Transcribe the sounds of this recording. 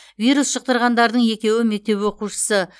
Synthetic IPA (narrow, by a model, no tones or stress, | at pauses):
vʲijɾusʃəq̚t̪əɾʁɑnd̪ɑɾd̪əɴje̞kʲe̞wɪme̞k̚t̪e̞pwo̞quʃə̥sə